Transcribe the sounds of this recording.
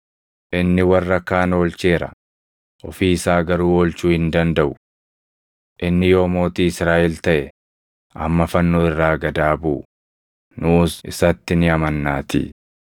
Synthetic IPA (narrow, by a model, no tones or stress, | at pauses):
ʔɪnːɪwɐrːɐkːaːno̞ːlt͡ʃe̞ːɾɐ̰ | ʔɔfiːsaːɡɐɾuːolt͡ʃuːhɪnd̪ɐnd̪ɐʔʊ | ʔɪnːɪjo̞ːmo̞ːt̪iːɪsɾaːʔɛlt̪ɐʔɛ | ɐmːɐfɐnːoːɪrːaːɡɐd̪aːbuː | nʊsʔɪ̰sɐt̪ːɪnɪɐmɐnːaːt̪ḭː